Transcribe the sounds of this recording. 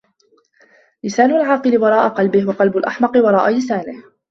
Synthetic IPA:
lɪsaːnʊlʕɑːqɨlɪwɑɾˤɑːʔaqɑlbɪhwɑqɑlbʊlʔaħmɑqɨwɑɾˤɑːʔalɪsaːnɪh

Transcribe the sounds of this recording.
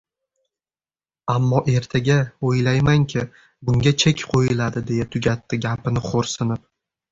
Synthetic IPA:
amːɒʔe̞ɾt̪ʰaɡʲaojlajmaŋkʲʰɪ | bʊŋɡʲat͡ʃʰekʲqʰojɪlad̪ɪd̪e̞jat̪ʰʊɡʲat̪ːɪɡʲapʰɪnɪχʰoɾsɪnɪp̚

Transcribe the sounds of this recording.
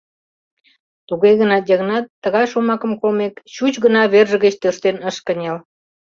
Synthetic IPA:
t̪uɣeɣənɑdʲɑɣnɑt̪ːəɣɑjʃomɑkəmkolmekt͡ɕut͡ɕɣənɑβerʒəɣət͡ɕt̪øʃt̪enəʃkənʲel

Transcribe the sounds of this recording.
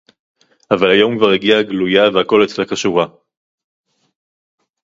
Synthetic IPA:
avalajo̞mkvaʁiɡiaɡlujavehako̞let̪t͡slakaʃuʁa

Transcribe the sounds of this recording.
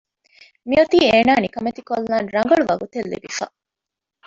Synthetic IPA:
miɐt̪iːeːnaːnikɐmet̪ikolːaːnɾɐŋ̆ɡɐɭuʋɐɡut̪elːḭbifɐ̰

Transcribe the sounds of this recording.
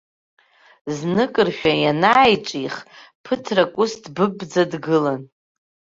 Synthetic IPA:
znɨkʼɨrʃᶣajanaːjʈ͡ʂʼiχpʰɨtʰrakʷʼʊstʰbɨbd͡zadɡɨlan

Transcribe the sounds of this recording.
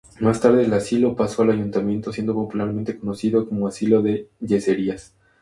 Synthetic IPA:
mast̪aɾðe̞ːlasilopaso̞alaʝunt̪amje̞nt̪o̞sje̞nd̪o̞po̞pulaɾmẽnt̪e̞ko̞no̞siðo̞ko̞moasilo̞ðe̞ʝe̞se̞ɾias

